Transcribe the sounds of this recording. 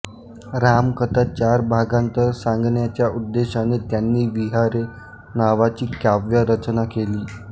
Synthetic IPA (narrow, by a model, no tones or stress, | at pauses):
ɾamkət̪at͡ɕaɾbʱaɡãnt̪əɾsãŋɡnjat͡ɕjaud̪ːeɕanet̪janːiːʋiɦaɾe | naʋat͡ɕiːkaʋjəɾət͡ɕnakeliː